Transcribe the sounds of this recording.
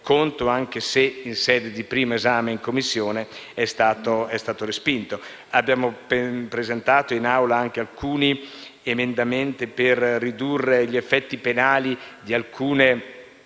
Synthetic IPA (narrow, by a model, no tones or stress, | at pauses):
kʰont̪oaŋk̟eseinsɛːd̪ed̪ipɾiːmoezaːmeiŋkomːisːjoːneɛst̪aːt̪oɛst̪aːt̪oɾespint̪o | abjaːmoppɾezent̪aːt̪oinawlaaŋk̟ealkuːni | emend̪ament̪iperːid̪urːeʎiefːɛt̪ːipenaːlid̪ialkʰuːne